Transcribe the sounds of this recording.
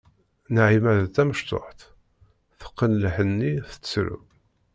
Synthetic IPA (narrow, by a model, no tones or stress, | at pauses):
nʕimæðt̪æməʃt̪o̰ħt̪ | θə̥qːənlħənːiθə̥t͡sːsɾṵ